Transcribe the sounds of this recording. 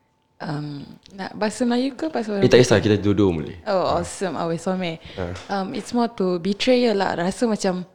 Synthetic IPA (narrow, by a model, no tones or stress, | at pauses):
ʔamnaʔbasəmlajukəpasit̪aist̪akit̪adudomṵlḛoɔsə̃ma̰wɛsɔmɛamitsmɔt̪ubitɾejəla̰ʔɾasəmat͡ʃam